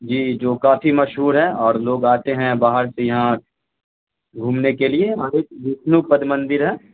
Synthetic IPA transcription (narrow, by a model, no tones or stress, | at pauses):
d͡ʒiːd͡ʒoːkaːfimɐʃɦuːɾɦɛɔːɾloːɡaːt̪eɦɛ̃baːɦəɾsejɐɦã | ɡʱuːmnekelieɔɾeːkb̪ɪsnupɐd̪mɐ̃nd̪ɪɾɦɛː